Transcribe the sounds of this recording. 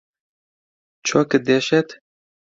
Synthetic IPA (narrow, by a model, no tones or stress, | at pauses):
t͡ʃʰɔːkɨd̪eʃɛt̪